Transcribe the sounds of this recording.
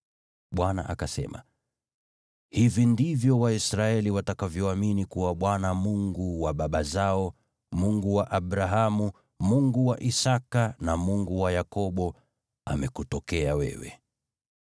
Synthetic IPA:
ɓwana̰ʔa̰kasɛ̰ma̰ | hivindivjɔwaisɾaɛliwatakavjɔaminikuwaɓwanamuŋɡuwaɓaɓazaɔ | muŋɡuwaʔaɓɾaɦamu | muŋɡuwaʔisakanamuŋɡuwajakɔɓɔ | a̰mɛkutɔkɛawɛ̰wɛ̰

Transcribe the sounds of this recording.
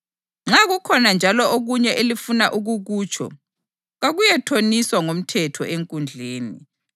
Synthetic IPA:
ŋ͡ǁaɣukʰɔnand͡ʒʱalɔoɣuɲɛʔelifunaʔuɣuɣuːt͡ʃʰɔ̰ | ɣaɣujɛtʰoniswaŋom̩tʰɛtʰɔ̰ʔeŋkʼund͡ɮʱeːnḭ

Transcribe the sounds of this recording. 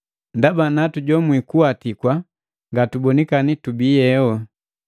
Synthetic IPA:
ndabanatuɟɔmwikuatikwa | ŋɡatubɔnikanitubiːjɛwɔ

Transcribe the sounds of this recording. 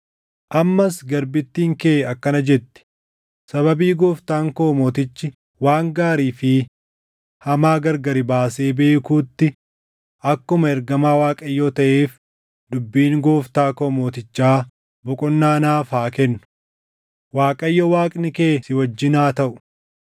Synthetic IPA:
ʔɐmːɐsɡɐɾbɪt̪ːiːŋkeːɐkːɐnɐd͡ʒɛt̪ːɪ̥ | sɐβɐbiːɡoːft̪aːŋkoːmoːt̪ɪt͡ʃːɪ | waːŋɡaːɾiːfɪ | hɐmaːɡɐɾɡɐɾɪbaːse̞ːbe̞ːkuːt̪ːɪ | ʔɐkːʊmɐɛɾɡɐmaːwaːkʼɐjːoːt̪ɐʔeːf | d̪ʊbːiːŋɡo̞ːft̪aːkoːmoːt̪ɪt͡ʃːaː | bʊkʼɔnːaːnaːfaːkɛnːʊ̥ | waːkʼɐjːɔwaːkʼnɪkeːsɪwɐd͡ʒːɪnaːt̪ɐʔʊ̥

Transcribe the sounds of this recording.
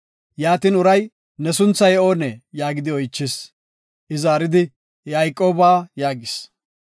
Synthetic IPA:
jaːt̪inʊɾɐj | nɛsʊnt͡sːɐjɛo̞ːnɛjaːɡɪd̪ɪɔjt͡ʃːɪs | ʔɪzaːɾɪd̪ɪ | jaːjkʼːo̞ːbaːjaːɡɪs

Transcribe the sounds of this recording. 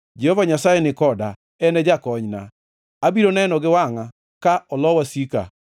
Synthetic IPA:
d͡ʒɛhɔvaɲasajenɪkɔda | ɛnɛd͡ʒakɔɲna | abiɾonaɛnɔɡewaŋa | kaɔlɔwasika̰

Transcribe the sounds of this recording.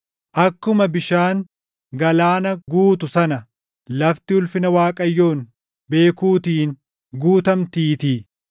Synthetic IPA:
ʔɐkːʊmɐbɪʃaːŋ | ɡɐlaːnɐɡuːt̪ʊsɐnɐ | lɐft̪ɪʊlfɪnɐwaːkʼɐjːo̞ːn | be̞ːkuːt̪iːn | ɡuːt̪ɐmt̪iːt̪i

